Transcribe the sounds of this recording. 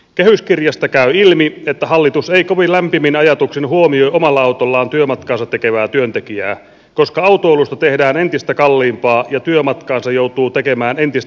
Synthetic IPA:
kehyskirjɑst̪ɑkæyilmiet̪ːæhɑlːit̪useikoʋinlæmpiminɑjɑt̪uksinhuomioiʔomɑlːɑɑwt̪olːɑːnt̪yømɑt̪kɑːnsɑt̪ekeʋæːt̪yønt̪ekiæː | koskɑɑut̪oolust̪ɑt̪ehdæːne̞nt̪ist̪ækɑlːiːmpɑːjɑt̪yømɑt̪kɑːnsɑjjowt̪uːt̪ekemæːnent̪ist̪

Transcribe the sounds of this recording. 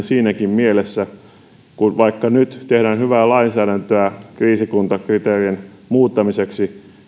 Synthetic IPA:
siːnækimmielesːæ | kunʋɑikːɑnyt̪t̪ehdæːnhyʋæːlɑinsæːɾænt̪øækriːsikunt̪ɑkrit̪eːrien | muːt̪ːɑmiseksi

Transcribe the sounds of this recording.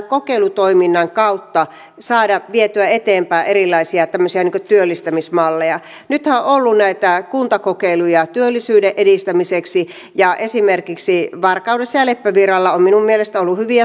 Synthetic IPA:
kokeilut̪oiminːɑŋkɑut̪ːɑ | sɑːdɑʋiet̪yæet̪eːmpæːʔeɾilːˑɑisiɑt̪æmːøsiɑniːŋkøt̪yølːist̪æmismɑlːejɑ | nyt̪hæoʔolːunnæit̪ækunt̪ɑkokeilujɑt̪yølːisyːdeʔedist̪æmiseksi | jɑʔesimerkiksiʋɑrkɑudesːɑjɑlepːæʋirɑlːɑomminummielest̪æolːuhyʋiæ

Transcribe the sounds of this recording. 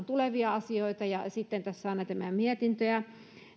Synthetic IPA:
nt̪uleʋiɑɑsioit̪ɑjɑsit̪ːent̪æsːæɑˑinɑt̪æmæmiet̪int̪øæ

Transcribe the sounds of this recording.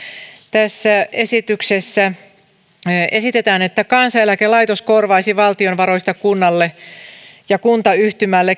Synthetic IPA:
t̪æsːæʔesit̪yksesːæ | esit̪et̪æːnet̪ːækɑnsɑelækelɑjt̪oskorʋɑisiʋɑlt̪ionʋɑroist̪ɑkunːɑlːe | jɑkunt̪ɑyht̪ymælːe

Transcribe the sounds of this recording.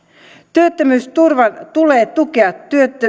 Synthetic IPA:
t̪yøt̪ːømyst̪urʋɑnt̪ule̞ːt̪ukeɑt̪ːyøt̪ːø

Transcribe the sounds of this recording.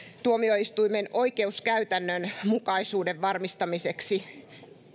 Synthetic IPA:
t̪uomioist̪uimenoikeuskæyt̪ænːønmukɑisuːdeʋʋɑrmist̪ɑmiseksi

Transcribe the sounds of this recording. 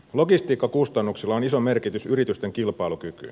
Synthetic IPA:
lo̞ɡist̪iːkːɑkust̪ɑnːuksilːɑonisome̞rkit̪ysyɾit̪yst̪eŋkilpɑilukyky̰

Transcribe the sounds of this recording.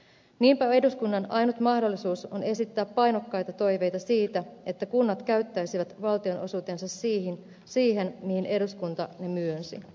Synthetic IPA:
niːmpæe̞duskunːɑnɑjnut̪mɑhdo̞lːisuːso̞̰ne̞sit̪ːæːpːɑjno̞kːɑjt̪ɑt̪o̞jʋe̞jt̪ɑsiːt̪æe̞t̪ːækunːɑt̪kæɥt̪ːæjsiʋæt̪ʋɑlt̪io̞nʔo̞̰suːt̪e̞nsɑssiːhin | siːɦe̞nmihinʔe̞duskunt̪ɑne̞myønsḭ

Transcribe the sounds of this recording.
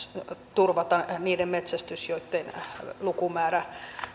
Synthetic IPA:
t̪urʋɑt̪ɑniːdemmet̪sæst̪ysjoit̪ːenlukumæːræ

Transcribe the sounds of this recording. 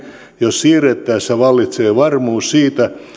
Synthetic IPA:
jossiːret̪ːˑæːsseʋɑlːit̪seːʋɑrmuːssiːt̪æ

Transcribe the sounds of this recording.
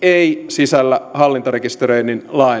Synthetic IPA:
eisisælːæhɑlːint̪ɑrekist̪ereininlɑi

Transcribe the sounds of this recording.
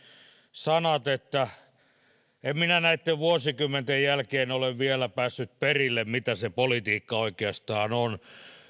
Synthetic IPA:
sɑnɑt̪et̪ːæ | emminænæit̪ːeʋʋuosikymːent̪ejjælkeːnoleʋʋielæpæːsːyt̪̚perilːemmit̪æsepolit̪iːkːɑoikeɑst̪ɑːnon

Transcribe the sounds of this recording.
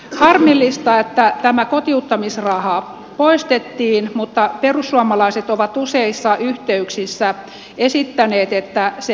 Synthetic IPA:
hɑrmilːist̪ɑet̪ːæt̪æmækot̪iut̪ːɑmisrɑhɑ | poist̪et̪ːiːnmut̪ːɑperusːuɑmɑlɑiset̪oʋɑt̪useisːɑʔyht̪eyksisːæ | esit̪ːæneːt̪et̪ːæse

